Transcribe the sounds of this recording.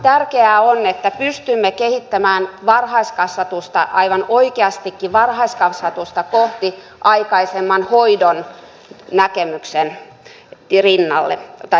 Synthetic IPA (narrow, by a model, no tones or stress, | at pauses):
t̪ærkeæonːet̪ːæpyst̪ymːekehit̪ːæmæːnʋɑrhɑiskɑsʋɑt̪ust̪ɑʔɑiʋɑnoikeɑst̪ikːiʋɑrhɑiskɑsʋɑt̪ust̪ɑkoht̪i | ʔɑikɑisemːɑnhoidon | nækemyksen | rinːɑlːḛt̪ɑ